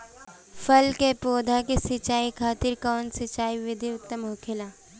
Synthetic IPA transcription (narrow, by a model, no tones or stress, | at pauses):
fɐlkepoːd̪ʱakesɪt͡ʃaːikʰaːt̪ɪɾkɔːnsɪt͡ʃaːiʋɪd̪ʱiʊt̪ːəmɦokʰela